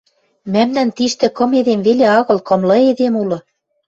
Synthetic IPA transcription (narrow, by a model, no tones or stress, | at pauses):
mæmnænt̪iʃt̪ɘ̆kɤ̆meðemveleɑɣɤ̆lkɤ̆mlɤ̆ed̪emulɤ̆